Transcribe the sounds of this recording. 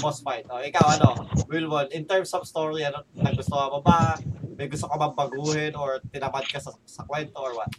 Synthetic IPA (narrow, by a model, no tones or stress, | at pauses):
bosmajt̪ʔoʔɪkawɐnowɪlmonʔɪnt̪ɛɹmsɔvst̪oɹiɐnonɐɡɡʊst̪oamobamɐjɡʊst̪okɐmɐbɐɡuːhɪnɔɹt̪ɪnɐmad̪̚kasɐsɐkwɛnt̪oʔɔɹwat̪̚